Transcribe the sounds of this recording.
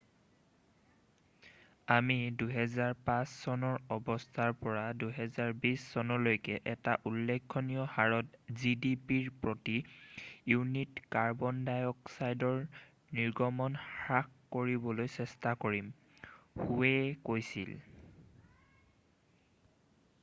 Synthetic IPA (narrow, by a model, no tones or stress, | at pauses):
amiduɦɛzaɹpasːɔnɔɹɔbɔstʰaɹpɔɹaduɦɛzaɹbisːɔnɔɹlojkɛʔɛtaʔulːɛkʰːonijɔhaɹɔtzidipiɹpɹotijunitkaɹbɔndajɔksajdɔɹ | niɹɡɔmɔnxɹakkoɹibɔlojsɛstakoɹim | huɛkojsḭl